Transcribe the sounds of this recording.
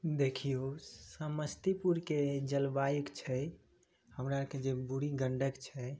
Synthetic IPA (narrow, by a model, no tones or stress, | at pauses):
d̪ekʰijosəməst̪ipuɾked͡ʒəlbajikt͡ʃʰɛ | həmɾaked͡ʒebuɽiɡəɳɖəkt͡ʃʰɛ